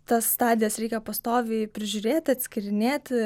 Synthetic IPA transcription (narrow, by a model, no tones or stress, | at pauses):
t̪ɐst̪ɑːd̪ʲɪjɛsɾʲɛɪkʲɛpɐst̪oːʋʲɪːpʲɾʲɪʒʲʊɾʲeːt̪ʲɐt̪ʲsʲkʲɪɾʲɪnʲeːt̪ʲ